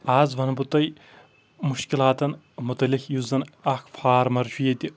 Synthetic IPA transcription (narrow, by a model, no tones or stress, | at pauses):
aːzʋɐnɐbut̪ɐj | muʃkilaːt̪ɐn | mut̪ɐlixjuzɐnɐkfʰaːɾmɐɾt͡ʃʰujet̪ʲi